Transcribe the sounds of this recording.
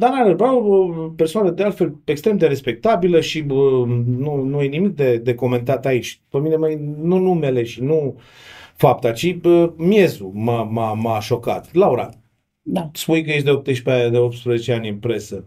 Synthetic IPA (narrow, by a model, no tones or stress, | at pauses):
d̪anaɾəbaoəpe̞rsoanəd̪ealt̪fe̞lekst̪ɾe̞md̪e̞ɾe̞spe̞k̚t̪abiləʃiənunuje̞nimik̚d̪e̞d̪e̞ko̞me̞nt̪at̪ait͡ʃʲpemine̞majnunume̞le̞ʃinu | fap̚t̪at͡ʃiəmje̞zumamamaʃo̞ka̰t̪lawɾa̰ | d̪aspujkəjeʃ̬ʲd̪eo̞p̚t̪ɨʃpead̪eo̞p̚t̪spɾəze̞t͡ʃeanʲɨnpɾe̞sə